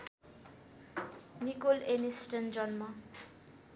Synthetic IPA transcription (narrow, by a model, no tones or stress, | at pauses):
nikolenisʈʌnd͡zʌnmʌ